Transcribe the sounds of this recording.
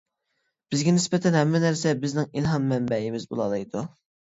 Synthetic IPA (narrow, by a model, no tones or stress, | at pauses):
b̥ɪzɡʲɛnɪspɛt̪ʰɛnɦɛmːɛnæɾsɛbɪznɪŋilɦɑmːɛmbɛimɪzbo̰lˠɑlˠɑjd̪u